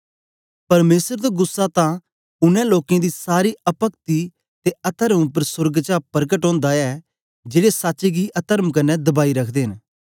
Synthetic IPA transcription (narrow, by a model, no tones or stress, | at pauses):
pɐɾmeːsəɾd̪aɡʊsːat̪ã | ʊnɛ̃loːkẽd̪isaːɾiɐpəkt̪i | t̪eɐt̪əɾmʊpəɾsʊɾɡt͡ʃapəɾkəʈɦõːnd̪aɛ | d͡ʒeːɽesaːt͡ʃeɡiʔɐt̪əɾəmkɐnːɛd̪ɐbaːiɾɐkʰd̪eːɦɪ̃n